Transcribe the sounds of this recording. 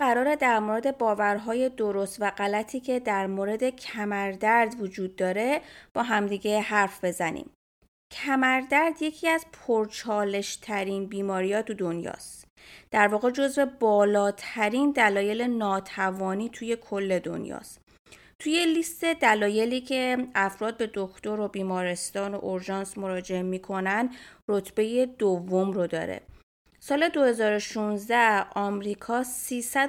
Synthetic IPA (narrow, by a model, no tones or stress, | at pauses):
æɾɒːɾe̞d̪æɾmoɾe̞d̪e̞bɒːvæɾɦɒːje̞d̪o̞ɾo̞st̪væɢælæt̪ʰiːcʰe̞d̪æɾmoɾe̞d̪e̞cʰæmæɾd̪æɾd̪vod͡ʒuːd̪ːɒːɾe̞b̥ɒːɦæmd̪iɟe̞ɦæɾfb̥e̞zænḭm | cʰæmæɾd̪æɾd̪je̞cʰiːæzpʰoɾt͡ʃʰɒːle̞ʃt̪ʰæɾiːnbiːmɒːɾiːjɒːt̪ʰud̪o̞njɒ̰ːst̪ | d̪̥æɾvɒːɣe̞d͡ʒo̞zve̞bɒːlɒːt̪ʰæɾiːnd̪ælɒːje̞lenɒːt̪ʰævɒːniːt̪ʰuje̞kʰo̞lːe̞d̪o̞̰njɒ̰ːst̪ | t̪ʰuje̞list̪e̞d̪ælɒːje̞liːcʰe̞æfɾɒːd̪̚be̞d̪o̞kʰt̪o̞ɾobiːmɒːɾe̞st̪ɒːno̞̰ʔoɾʒɒːnsmo̞ɾɒːd͡ʒe̞emiːkʰo̞nænd̪ro̞t̪ʰb̥e̞jed̪ovːo̞mɾod̪ɒ̰ːɾḛ | sɒːle̞d̪ohe̞zɒːɾo̞ʃunzd̪æɒːmɾiːkʰɒːsiːsæ